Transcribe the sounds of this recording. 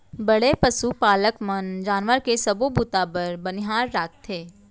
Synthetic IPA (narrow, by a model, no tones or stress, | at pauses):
bɐɽepəsupaːləkmənd͡ʒaːnʋəɾkesɐbobut̪ãpəɾbənɪɦaːɾːaːk̚ʰt̪ʰeː